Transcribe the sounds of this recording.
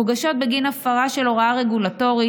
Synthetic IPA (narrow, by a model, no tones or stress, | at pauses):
ɡaʃo̞t̪̚beɡinafaʁaʃeloʁaaʁeɡulato̞ʁi